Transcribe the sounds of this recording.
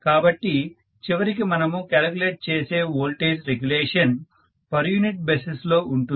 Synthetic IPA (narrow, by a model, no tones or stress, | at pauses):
kaːbɐʈːi | t͡ʃiʋɐɾikimɐnɐmukaːlɡuleːʈ̚t͡ʃeːseːoːlʈeːsɾeɡjuleːʂɐn | pɐɾjuniʈ̚beseslo̞ːʔuɳʈu